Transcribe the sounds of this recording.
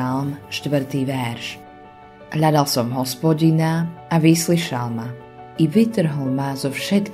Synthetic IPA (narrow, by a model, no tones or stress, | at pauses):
almʃt̪ʋr̩t̪iːʋɛɾʃ | ɦʎad̪alsɔmɦɔspɔɟinaːʋisliʃalma | iʋit̪r̩ɦl̩mazɔfʃɛt̪k